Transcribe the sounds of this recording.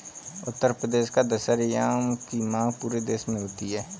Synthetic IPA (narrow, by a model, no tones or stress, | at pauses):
ʊt̪ːəɾpɾəd̪eːʃkad̪əʃəɾjaːmkimãːɡpuːɾed̪eːʃmẽɦoːt̪iɦɛː